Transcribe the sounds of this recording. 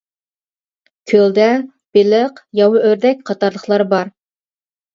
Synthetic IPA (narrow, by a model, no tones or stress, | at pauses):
kʲʰøld̪ɛ | b̥ɪlɪqjɑwʊʔøɾd̪ɛk̚ʲqʰɑt̪ɑɾlˠəχlˠɑɾbɑɾ